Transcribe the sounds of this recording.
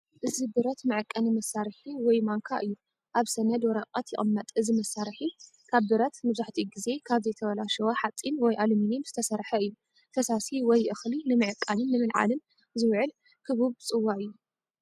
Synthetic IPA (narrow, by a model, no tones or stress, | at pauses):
ʔɨzibɨɾɐt̪mɨʕɨkʼːɐnimɐsaɾħiwɔjmaŋkʰaʔɨjːu | ʔaβsɐnɐd̪wɔɾɐqʼɐt̪jɪʔʼɨmːɐt̪ʼʔɨzimɐsːaɾħi | kʰaβdɨɾɐt̪mɐβzaħt̪ʰiɡize̞kʰaβzɐjt̪ʰɐβɐlaʃɐwoħat͡sʼinwɔjʔalminimz̥ɨt̪ʰɐsɐɾħɐɨjːu | t̪ʰɐsasiwɔjʔɨxlinɨmɨʕɨkʼːanɨnːɨmɨlʕa̰lɨn | zɨwʕɨl | kʰɨβuβt͡sʼɨwːaʔɨjːu